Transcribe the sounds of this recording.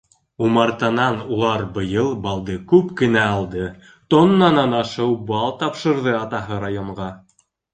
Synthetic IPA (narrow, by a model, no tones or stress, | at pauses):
umɑɾt̪ɑnɑnulˠɑɾbɤ̆jɤlˠbɑlˠd̪ɤkʉpkɘ̆næɑlˠd̪ɤ | t̪onːɑnɑnɑʃɤwbɑlˠt̪ɑpʃɤ̆ɾðɤɑt̪ɑɦɤɾajoɴɢɑ